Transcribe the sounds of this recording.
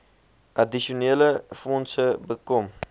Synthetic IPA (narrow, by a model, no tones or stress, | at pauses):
ʔadiʃioneːləfɔnsəbəkɔm